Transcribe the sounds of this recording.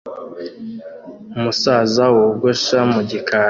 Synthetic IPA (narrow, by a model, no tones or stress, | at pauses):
umusaːzawoɡoʃamuɟika